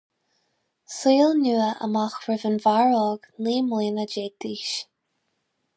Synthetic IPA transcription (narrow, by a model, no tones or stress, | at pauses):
siːlnʲuːəʔə̰maxɹɪvənvaɹɔːɡnliːmliːnəd͡ʒeːt̪iːʃ